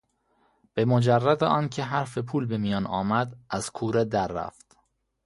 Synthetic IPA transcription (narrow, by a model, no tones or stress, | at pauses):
b̥e̞mod͡ʒærːæd̪eʔɒːncʰe̞ɦæɾfe̞pʰuːlbe̞mijɒːnɒːmæd̪ʔæz̥kʰuːɾed̪æɾːæ̰ft̪